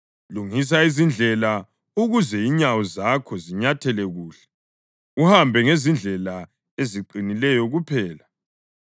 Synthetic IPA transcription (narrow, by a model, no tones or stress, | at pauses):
luŋis̬aizind͡ɮʱɛla | uɣuzɛiɲawɔzakʰɔziɲatʰɛlɛɣuːɬɛ̥ | uhambʱɛŋezind͡ɮʱɛla | eziǃinilɛjɔɣupʰɛːla